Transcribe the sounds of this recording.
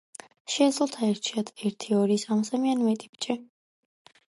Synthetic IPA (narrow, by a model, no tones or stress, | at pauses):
ʃɛːd̪zlɔt̪ʰaɛɾt͡ʃʰiat̪ʰɛɾt̪ʰiɔɾisamsamianmɛt̪ʼi̥bt͡ʃʼɛ